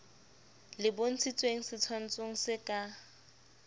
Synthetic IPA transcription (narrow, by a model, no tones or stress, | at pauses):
lɪbon̩t͡sʰit͡sʼweŋ̩sɪt͡sʰwan̩t͡sʼoŋ̩sɪkʼa